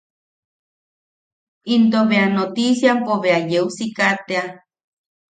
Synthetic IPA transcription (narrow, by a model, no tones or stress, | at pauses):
int̪oβeanot̪isjampoβeajeusikat̪ea